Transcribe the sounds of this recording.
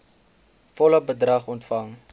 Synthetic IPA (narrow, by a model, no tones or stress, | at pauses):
fɔləbədrɐχɔntfɐŋ